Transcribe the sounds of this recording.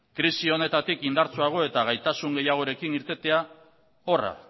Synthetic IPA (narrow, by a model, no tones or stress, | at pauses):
kɾisio̞ne̞t̪at̪ikind̪aɾt͡suaɣ̞o̞e̞t̪aɣ̞ajt̪asuŋɡe̞jaɣ̞o̞ɾe̞kiniɾt̪e̞t̪e̞a | o̞ra̰